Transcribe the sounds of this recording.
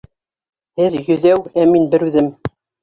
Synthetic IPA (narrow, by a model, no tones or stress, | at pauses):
hɘðjɵ̆ðæwæminbɘɾʉðɘm